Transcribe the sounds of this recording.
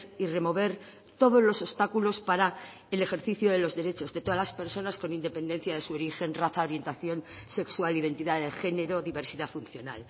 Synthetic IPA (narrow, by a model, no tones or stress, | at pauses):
ire̞mo̞β̞e̞ɾ | t̪o̞ðo̞zlo̞so̞st̪akulo̞spaɾa | ele̞xe̞ɾθiθjoðe̞lo̞zðe̞ɾe̞t͡ʃo̞zðe̞t̪o̞ðalaspe̞ɾso̞nasko̞nind̪epe̞nd̪en̟θjaðe̞suo̞ɾixe̞nraθaoɾje̞nt̪aθjo̞nse̞kswaliðe̞nt̪iðaðexe̞ne̞ɾo̞ðiβe̞ɾsiðafunθjo̞na̰l